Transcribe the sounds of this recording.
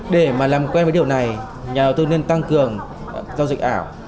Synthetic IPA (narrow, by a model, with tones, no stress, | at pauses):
ɗe˧˩maː˨˩laː˨˩mkwɛ˧nvːɗi˨˩əwna˨˩j | ɲaː˨˩ɗə˨˩wt̪ɨ˧ni˧ənt̪a˧ŋkɨ˨˩əŋ | za˧zï˨˩k̚ʔaː˧˩˨w